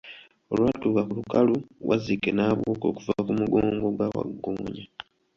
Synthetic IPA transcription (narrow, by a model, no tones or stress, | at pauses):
o̞lwaːtuːkakulukaluwʔa̰zikenaːβwoːko̞̰ːkuvakumuɡoːŋɡo̞ɡwawa̰ɡːoːɲa